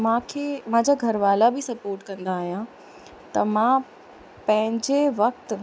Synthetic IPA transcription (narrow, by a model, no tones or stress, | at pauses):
mãːkʰeːmãːɲd͡ʑaɡʱɐɾʋaːlabɪsɐpoːɾʈkɐ̃nd̪aːɦijã | t̪ɐmãː | pɐ̃ɦɪ̃ɲd͡ʑeʋɐk̚t̪